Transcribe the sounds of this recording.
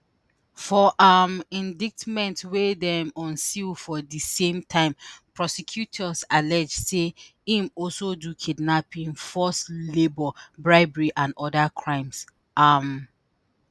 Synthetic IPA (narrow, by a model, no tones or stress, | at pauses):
fɔʔamĩndik̚tmɛ̃ntwedɛmɔ̃nsilfɔdisẽmtʰãɪ̃mpʰɹɔsɛkʰjutʰɔsalɛd͡ʒseĩmɔlsodukʰidnapĩnfɔslebɔbɹaɪbɛɹiʔãnɔdakʰɹãɪ̃ms | ʔam